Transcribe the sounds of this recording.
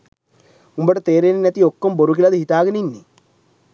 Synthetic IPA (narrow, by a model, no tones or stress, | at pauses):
umbəʈət̪eːɾenenɛt̪iokːomboɾukilɐd̪əɦit̪aːɡəninːi